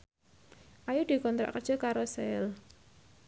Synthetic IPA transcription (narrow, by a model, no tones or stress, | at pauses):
ʔajud̪̥i̤kɔnt̪ɾa̰ʔkərd̥ʒ̥ɔ̤kaɾosɛl